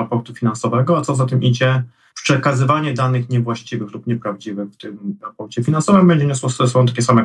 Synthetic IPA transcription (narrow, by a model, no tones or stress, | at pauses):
apɔɾt̪ufʲinansɔvɛɡɔat̪sɔzat̪ɘmʔid͡ʑɛ | pʂɛkazɘvaɲɛd̪anɘxɲɛvwaɕt͡ɕivɘxlupɲɛpɾavd͡ʑivɘxft̪ɘmɾapɔɾt͡ɕɛfʲinansɔvɛmbɛɲd͡ʑɛɲɛswɔssɔ̃t̪akʲɛsamɛ